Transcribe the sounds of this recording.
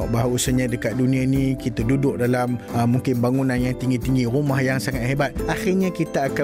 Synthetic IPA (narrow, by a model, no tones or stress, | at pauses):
ɔʔbaɦusəɲãdəkat̪̚dunĩanĩkit̪adudʊk̚dalaməmuŋkɪnbaŋunãnjaŋt̪iŋɡit̪iŋɡiɾumahjaŋsaŋat̪̚hebat̪̚ʔaxɪrɲakit̪aːka